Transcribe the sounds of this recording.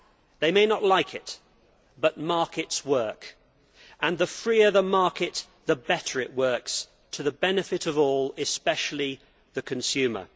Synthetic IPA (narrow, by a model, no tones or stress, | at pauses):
ðeɪmeɪnəʔˡlaɪkʰɪt̪̚ | b̥ʌt̚mɑɹkɨtswɜ˞k | ə̃nðəfɹiəðəmɑɹkɪt̪̚ | ðəbɛɾə˞ɪʔwɜ˞ks | tʰəðəbɛnɨfɨɾʌvɔːlˠɪspɛʃl̩ˠi | ðɨkʰɨ̃nsʉmə̰˞